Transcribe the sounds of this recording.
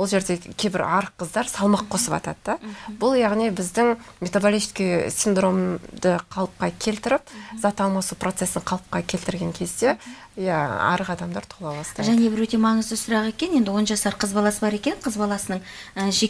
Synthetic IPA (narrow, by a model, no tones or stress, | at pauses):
wo̞lˠʒe̞ɾd̪e̞kʲʰejbɪ̰ɾɑɾəqːəzd̪ɑɾsɑlˠmɑqʰːo̞səpɑ̰t̪ɑ̰d̪əd̪ɑbʊlˠjɑʁnijbɪzd̪ɪŋmʲet̪obolʲist̪kʲisʲind̪ro̞md̪əqʰɑlˠəp̚qɑkʲʰe̞lt̪ɪɾɪp̚zɑt̪ɑlˠmɑsupro̞t̪se̞sɪɴqʰɑlˠəp̚qɑkʲʰe̞lt̪ɪɾɡʲe̞ŋkʲʰe̞zd̪e | jaɑ̰ɾəʁɑd̪ɑmd̪ɑɾt̪ʰolˠɑbɑst̪ɑdʒæne̞bɪɾwɵt̪emɑɴəzd̪əsʊɾɑʁe̞kʲe̞nje̞nd̪ɪwo̞nʒɑsɑɾqʰəzbɑlˠɑsəbɑɾe̞kʲe̞nqʰəzbɑlˠɑsənəɴ | əʒe